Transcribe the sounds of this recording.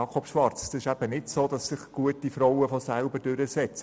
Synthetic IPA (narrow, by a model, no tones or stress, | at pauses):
ɑːkʰɔpʃʋɑɾt͡sd̥ɑsɪʃæb̥ənɪtsoːd̥ɑsːɪχɡ̥uətːifɾɔwəfɔsælbəd̥ʏɾəsɛt͡s